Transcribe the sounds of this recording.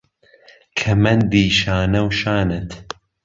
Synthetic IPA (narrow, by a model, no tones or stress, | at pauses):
kʰɐmɐnd̪iːʃaːnɐwʃaːnɨt̪